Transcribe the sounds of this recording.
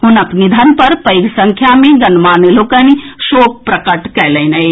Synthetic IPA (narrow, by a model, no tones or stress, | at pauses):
ɦʊnɐpnid̪ʱənpɐɾpəɪɡsə̃ŋkʰjamẽɡənmaːneloːkəniʃoːk̚pɾəkəʈkɛlɛɪnəi